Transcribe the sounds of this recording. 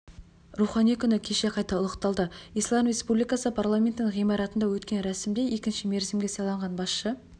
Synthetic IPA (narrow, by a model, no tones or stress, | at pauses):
ruχɑnijkʲʰʏnɪkʲʰe̞ʃe̞qʰɑjt̪ɑʊlˠəqt̪ɑlˠd̪əijslˠɑmre̞spublijkɑsəpʰarlˠamʲe̞nt̪ɪnɴʁijmɑɾɑt̪ənd̪ɑwɵt̪kʲe̞nɾæsɪmd̪e̞e̞kʲɪnʃɪme̞ɾzemɡʲe̞sɑlˠɑɴʁɑnbɑsʃə